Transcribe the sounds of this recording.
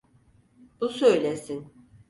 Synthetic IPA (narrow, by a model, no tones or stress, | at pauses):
b̥usø̞jlʲesin